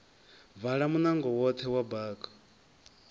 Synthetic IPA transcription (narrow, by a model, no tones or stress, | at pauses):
vaɺamunaŋɡɔwɔt̪ʰɛwabaːkʼɔ̥